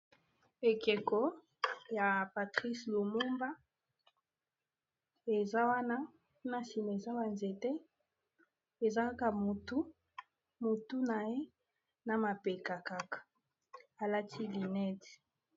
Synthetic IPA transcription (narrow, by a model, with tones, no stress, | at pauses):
e˨ke˨kɔ˨ | ja˨pa˨tʁi˦slo˨mu˦mba˦ | e˨za˦wa˦na˦ | na˦si˨m˨e˨za˦wa˨nze˨tɛ˦ | e˨za˦ka˦ka˨mo˨tu˦ | mo˨tu˦na˨je˦ | na˨ma˨pe˨ka˨ka˦kḁ˨ | a˨la˦tʰi˦li˨nɛ˦ti̥˨